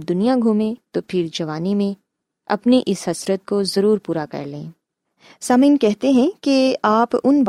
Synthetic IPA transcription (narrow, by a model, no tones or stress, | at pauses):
b̚d̪ʊnijaɡʱuːmẽt̪opʰɪɾd͡ʒɐʋaːnimẽ | ɐ̰pniʔɪsɦɐsɾət̪̚kozɐɾuːɾpuːɾakɐ̰ɾlḛ̃ː | saːmiːnkɛɦt̪eɦɛ̃keaːpʊnb